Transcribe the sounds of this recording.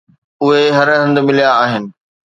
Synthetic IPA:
ʊɦeɦɐɾɦɐ̃nd̪̆mɪlijaːɦɪnɪ̆

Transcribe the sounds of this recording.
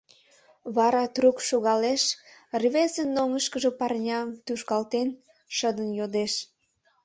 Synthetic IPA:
βɑɾɑt̪rukʃuɣɑleʃrβezənːoŋəʃkəʒə̽pɑrnʲɑmt̪uʃkɑlt̪en | ʃəd̪ənjod̪eʃ

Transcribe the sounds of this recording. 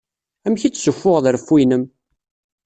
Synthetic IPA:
æmçit͡sːsʊfːʊʁðəɾfːinəm

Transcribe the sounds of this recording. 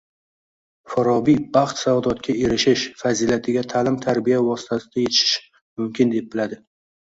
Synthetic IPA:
faɾɒbibɑχt̪savd̪ɒt̪kʲʰae̞ɾɪʃɪʃfazilat̪ʰɪɡʲat̪ʰalɪmt̪ʰaɾbijavɒsɪ̥t̪ʰasɪd̪aje̞t̪ʰɪ̥ʃɪ̥ʃ | mʊmkʲʰɪnd̪e̞p̚bɪlad̪ɪ

